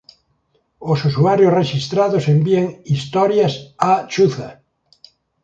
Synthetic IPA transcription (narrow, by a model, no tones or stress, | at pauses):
osusuaɾjosreʃist̪ɾaðosembieŋist̪ɔɾjasat͡ʃuθa̰